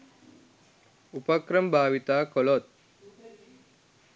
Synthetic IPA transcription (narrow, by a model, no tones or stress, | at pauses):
upəkɾəmbʱaːʋit̪aːkɔlot̪̚